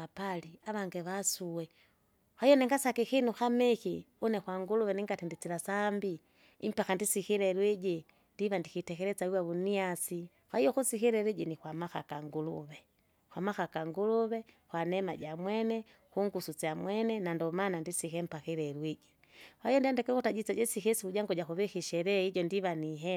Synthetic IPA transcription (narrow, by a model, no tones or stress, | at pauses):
apaliaβaŋɡeβasuwe | xajoneŋɡasakixinuxamexi | unexwaŋɡuluβɛniŋɡatindit͡silasambi | impaxandisixiɾelwiɟi | ndiβandixitɛkɛɾɛt͡sawiwaβuniasi | xwahijɔxusixiɾɛɾeɟinixwamaxa̰kaŋɡulṵβɛ | xwamaxakaŋɡuluβɛxwanɛmaɟamwɛnɛ | xuŋɡusut͡samwɛnɛnandɔmanandisikɛm̩paxiɾɛɾwiɟi | waijɔndiandɛkɛkutaɟit͡saɟɛsixɛsikuɟaŋɡɔɟaxuβixiʃɛɾɛiɟɔndiβaniɦɛ